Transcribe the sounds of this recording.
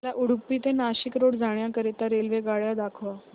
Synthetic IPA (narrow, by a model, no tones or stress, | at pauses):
laʔuɽpːiːt̪enaɕikɾoɽd͡zʱaɽjakəɾet̪aɾelʋeɡaɭjad̪akʰʋa